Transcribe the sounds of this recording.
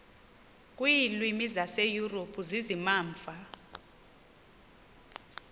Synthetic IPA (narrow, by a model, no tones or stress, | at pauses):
kʼwiːlwimizasejuropʰuzizimaːɱfa